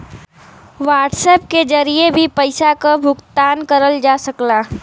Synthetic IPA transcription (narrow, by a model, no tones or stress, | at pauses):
ʋaːʈsɛp̚ked͡ʒɐɾiebʱipəɪsakabʱʊkt̪aːnkəɾəld͡ʒaːsəklaː